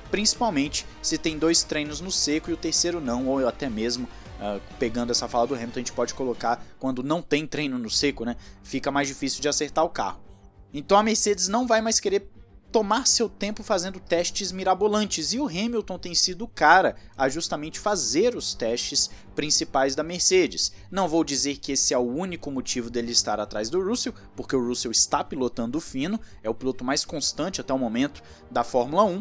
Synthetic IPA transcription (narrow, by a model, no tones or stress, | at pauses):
pɾĩsi̥pawmẽnt͡ʃɪ̥ | sɪt̪ẽj̃d̪ojst̪ɾẽj̃nʊznʊsekʊiʊt̪eɾsejɾʊnɐ̃w̃owat̪ɛmezmʊ | ɛpeɡɐ̃nd̪ʊɛsɐfalɐd̪ʊɦẽmlt̪ɐʒẽt͡ʃɪ̥pɔd͡ʒɪ̥kolokaɾkwɐ̃nd̪ʊnɐ̃w̃t̪ẽj̃t̪ɾẽj̃nʊnʊsekʊnɛfikɐmajzd͡ʒifisiuwd͡ʒɪaseɾt̪aɾʊka̰hʊ | ẽt̪ɐ̃w̃ɐmeɾsed͡ʒɪznɐ̃w̃vajmajskeɾeɾ | t̪omaɾsewt̪ẽmpʊfazẽnd̪ʊt̪ɛʃt͡ʃɪzmiɾabolɐ̃t͡ʃɪzɪʊɦẽmilt̪õt̪ẽj̃sid̪ʊkaɾɐɐʒust̪amẽnt͡ʃɪ̥fazeɾʊst̪ɛʃt͡ʃɪs | pɾĩsipajzd̪ɐmeɾsed͡ʒɪsnɐ̃w̃vowd͡ʒizeɾkɪesɪɛʊũnikʊmot͡ʃivʊd̪elɪɪst̪aɾat̪ɾajzd̪ʊɾusew | poɾkeʊɾusewɪst̪apilot̪ɐ̃nd̪ʊfĩnʊɛʊpilot̪ʊmajskõst̪ɐ̃t͡ʃɪat̪ɛʊmõmẽnt̪ʊ̥ | d̪ɐfɔɾmulɐũ